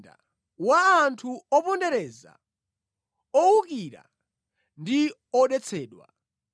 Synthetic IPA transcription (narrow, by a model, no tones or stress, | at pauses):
da̰ | waːntʰuɔpɔndɛɾɛza̰ | ɔuk̬iɾa̰ | ndi | ɔɗɛt͡sʰɛːɗwa̰